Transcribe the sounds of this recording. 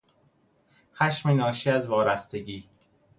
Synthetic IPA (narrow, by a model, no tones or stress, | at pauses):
xæʃmenɒːʃiæzvɒːɾæst̪eɟiː